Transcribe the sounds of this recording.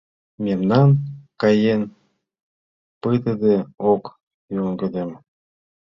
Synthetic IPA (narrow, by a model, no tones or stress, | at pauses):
mʲemnɑnkɑjen | pɨt̪əd̪eok | joŋɡəd̪em